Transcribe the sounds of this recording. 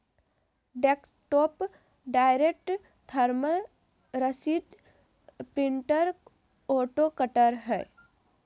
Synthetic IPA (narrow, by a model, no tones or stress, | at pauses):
ɖeːksʈoːp | ɖaːɪɾek̚ʈ | t̪ʰəɾmə | ɾəsid̪ | pɾɪ̃ɳʈəɾ | oːʈokəʈəɾɦɛː